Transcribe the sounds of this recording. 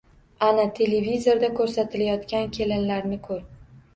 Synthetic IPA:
anat̪ʰe̞levizoɾd̪akʰɵɾsat̪ʰɪlajɒt̪kʲankʲʰe̞lɪnlaɾnɪkʰɵɾ

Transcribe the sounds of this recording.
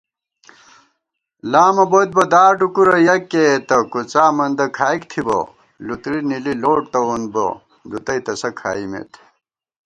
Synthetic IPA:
laːmɐbot̪̚bɐd̪aːɖukuɾɐjɐkːet̪ɐkut͡saːmɐnd̪ɐkʰaːjkt̪ʰibo̰ | lut̪ɾinililoːʈt̪ɐunbo̰ | d̪ut̪ɐjt̪ɐsɐkʰa̰ːimḛt̪ʰ

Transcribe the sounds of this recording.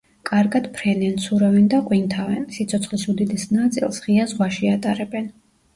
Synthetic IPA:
kʼaɾɡad̪̥pʰɾɛnɛnsʰuɾɛvɛnd̪aqʼwint̪ʰavɛnsit̪sʰɔt̪sʰχlisud̪id̪ɛsnat̪sʼḭlˠsʁiazʁwaʃiat̪ʼaɾɛbɛn

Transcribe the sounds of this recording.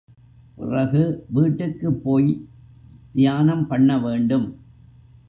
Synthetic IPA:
pʊ̰rɐɣɯʋiːʈːɯkːɯpːoːj | d̪ɪjaːnɐmpɐɳːɐʋeːɳɖɯm

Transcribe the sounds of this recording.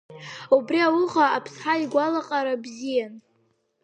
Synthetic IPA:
ubriawʊʁaapʰsħaiɡʷalaqʼaɾabzijan

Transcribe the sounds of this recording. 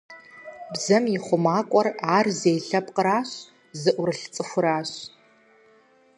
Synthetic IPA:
bzɐmjiχʷʊmaːkʷʼɔraːrzeːjɬɐpqəɾaːɕ | zɨʔʷʊɾɨɬt͡sʼɨxʷʊɾaːɕ

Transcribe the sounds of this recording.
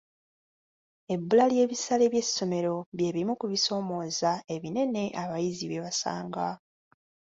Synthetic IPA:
e̞bːulalje̞ːβisale̞βje̞sːo̞me̞ɾo̞βje̞ːβiimukuβiso̞ːmo̞ːzae̞βine̞ne̞ʔaβajiziβeβasa̰ːŋɡa

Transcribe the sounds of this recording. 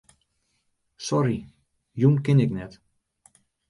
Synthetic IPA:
sɔɾi | junkɪnɪknɛt

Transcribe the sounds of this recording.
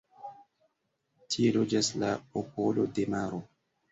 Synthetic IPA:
tʰie̞lod͡ʒaslaopolo̞de̞maɾo

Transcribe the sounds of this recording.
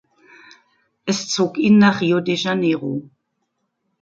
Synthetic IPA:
ʔɛst͡soːkiːnːaːχiːodeʒaneːʁo̰

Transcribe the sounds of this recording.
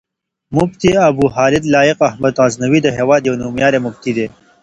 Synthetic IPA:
mʊbt̪iɐbuːɦɑːlɪd̪lɑːjɪqɐhmɐd̪aːznɐwid̪əɦeːwaɑːd̪jɐwnuːmjɑːɾemʊb̚t̪id̪eː

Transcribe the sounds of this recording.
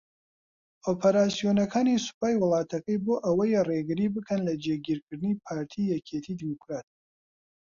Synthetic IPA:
ʔopʰɐɾaːsijoːnɐkʰaːnisʊ̥paːjwʊlˠɑːt̪ʰɐkɐjboːʔɐwɐjreɡɨɾibɨkʰɐnlɐd͡ʒeɡiːɾkʰɨɾd̪ɨnipʰaːɾt̪ʰijɛkʰet̪ʰid̪imukʰɾaːt̪̚

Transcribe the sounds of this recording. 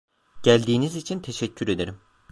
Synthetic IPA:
ɟ̥ælʲd̪iːnizit͡ʃʰint̪ʰe̞ʃɛcʰːyɾe̞d̪eɾim

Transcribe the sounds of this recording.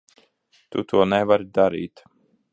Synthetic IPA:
t̪ut̪ʰuɔnɛvaɾid̪aɾḭːt̪

